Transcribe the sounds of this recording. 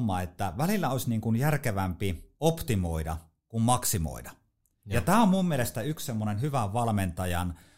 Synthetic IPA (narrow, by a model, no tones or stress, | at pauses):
mːˑɑ̰ːet̪ːæʋælilːæoˑsʲniːŋkunjærkeʋæmpiopt̪imoidɑ̰ | kummɑksimo̰ˑidɑ | jɑt̪æːommummielest̪æykssemːonenhyʋæʋʋɑlment̪ɑjɑn